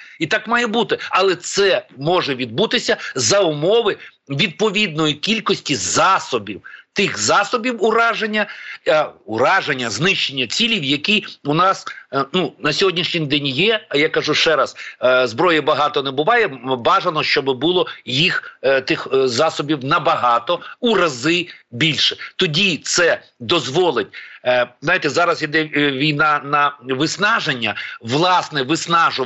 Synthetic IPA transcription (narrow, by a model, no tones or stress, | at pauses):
it̪ɑkmɑjɛbut̪ɪɐlˠɛt̪sɛmɔʒɛʋʲid̪̚but̪ɪsʲɐzɐʊmɔʋɪ | ʋʲid̪̚pɔʋʲid̪nɔjikʲilʲkɔsʲtʲizɑsɔbʲiwt̪ɪxzɑsɔbʲiwʊɾɑʒenʲːɐɐʊɾɑʒenʲːɐznɪʃt͡ʃenʲːɐt͡sʲilʲiwjɐkiʊnɑsnunɐsʲɔɦɔdʲnʲiʃnʲɪjd̪ɛnʲjɛjakɐʒuʃt͡ʃɛɾɐszbɾɔjɛbɐɦɑt̪ɔnɛbʊʋɑjɛbɑʒɐnɔʃt͡ʃɔbɪbulˠɔjixt̪ɪxzɑsɔbʲiwnɐbɐɦɑt̪ɔurɐzɪbʲilʲʃɛt̪ɔdʲit̪sɛ | d̪ɔzʋɔlˠɪtʲznajt̪ɛzɑɾɐsid̪ɛʋʲijnɑnɐʋɪsnɑʒenʲːɐʋlˠɑsnɛʋɪsnɑʒʊ